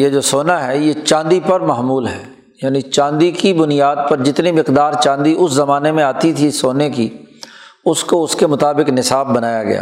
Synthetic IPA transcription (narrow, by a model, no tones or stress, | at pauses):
jed͡ʒoːsoːnaɦɛjet͡ʃãːnd̪ipɐɾmɐɦmuːlɦɛː | jaːnit͡ʃãːnd̪ikibʊnijaːd̪̚pɐɾd͡ʒɪt̪nimɪqd̪aːɾt͡ʃãːnd̪iʔʊszɐmaːnemẽaːt̪it̪ʰisoːneki | ʊskoʊskemʊt̪aːbɪknɪsaːbːɐnaːjaɡɐ̰ja̰